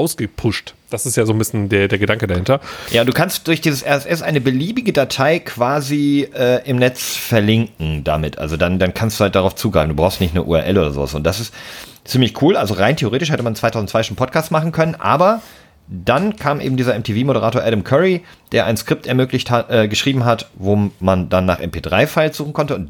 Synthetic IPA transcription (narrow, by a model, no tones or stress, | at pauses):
ʔaʊsɡ̥əpʰʊʃtd̥asɪstjaːzoːnbɪsçəndeːɐdeːɐɡədaŋkədahɪntɐjaːʊntd̥uːkʰanst̚d̥ʊɐçd̥iːzəsʔɛɐɛsʔɛsʔaɪnəbəliːbɪɡədatʰaɪkʰv̥aːziʔɛːʔɪmnɛt͡sfɛɐlɪŋkŋ̩da̰mɪtʔa̰lzodandankʰanstd̥uːhalt̚d̥aʁaʊft͡suːɡʁaɪbm̩duːbʁaʊstnɪçtnəʔṵːɛ̰ɐʔɛ̰lʔoːdɐzo̰ːvasʊ̰nt̚d̥asɪst | t͡siːmlɪçkʰuːlʔalzoʁaɪntʰeoʁeːtɪʃhɛtəmant͡sv̥aɪtʰaʊzn̩t͡svaɪʃoːnpʰɔtkʰaːstmaχn̩kʰœnənʔa̰ːbɐ | d̥ankʰaːmʔḛːbm̩diːzɐɛmtʰeːviːmoɾəʁaːtoɐʔɛɾəmkʰœʁid̥eːɐʔa̰ɪnskʁ̥ɪp̚tɛɐmøːklɪçtaʔɛːɡəʃʁ̥iːbm̩ɦatvoːmandanːa̰ːχʔɛ̰mpʰeːdʁaɪfaɪlz̥uːχn̩kʰɔntəʊnt